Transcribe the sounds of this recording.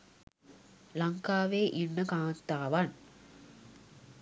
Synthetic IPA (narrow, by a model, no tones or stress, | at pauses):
lɐŋkaːʋeːʔinːəkaːnt̪aːʋɐn